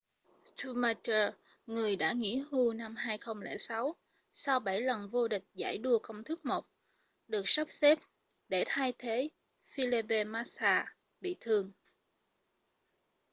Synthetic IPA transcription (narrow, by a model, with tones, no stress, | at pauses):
t̪u˧ma˧t͡ɕəː˧ | ŋɨ˨˩əjɗa̰ː˧˥ŋḭ˧˥ɦu˧na˧mɦaː˧jxə˧wŋ͡mlɛ̰˧˩sa˨˦w | sa˧wɓa˧˩jlə˨˩nvo˧ɗï˨˩k̟̚za̰ː˧˩jɗu˧əkə˧wŋ͡mt̪ʰɨ˦˥k̚mo˨˩k͡p̚ | ɗɨ˨˩ək̚sa˦˥p̚se˦˥p̚ | ɗe˧˩t̪ʰaː˧jt̪ʰe˨˦ | fi˧le˧ɓe˧maː˧˥saː˧ | ɓḭ˧˨t̪ʰɨ˨˩əŋ